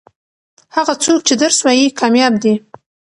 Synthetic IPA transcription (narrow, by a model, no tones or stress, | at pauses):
haɣat͡sok̚t͡ʃed̪əɾswɑjikʰɑmjɑbd̪i